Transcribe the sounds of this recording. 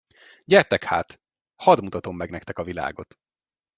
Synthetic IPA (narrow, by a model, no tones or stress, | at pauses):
ɟɛrt̪ɛkha̰ːt̪ | hɒd̪mut̪ɒt̪o̞mːɛɡnɛkt̪ɛkɒvila̰ːɡo̞t̪